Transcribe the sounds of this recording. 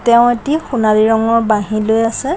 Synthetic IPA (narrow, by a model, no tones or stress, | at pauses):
tɛʊ̃etixunaɹiɹɔŋɔɹbaɦĩlojasɛ